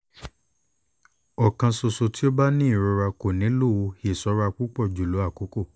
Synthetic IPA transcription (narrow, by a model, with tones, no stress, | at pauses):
ɔ˨kã˧so˧so˧ti˦o˦ba˦nĩ˦i˦˨ɾo˧ɾa˧ko˨nĩ˨˦lo˦˨wo˧he˨sɔ˨˦ɾa˧k͡pu˦k͡pɔ˦˨d͡ʒu˨lo˨˦a˦˨ko˨˦ko˦˨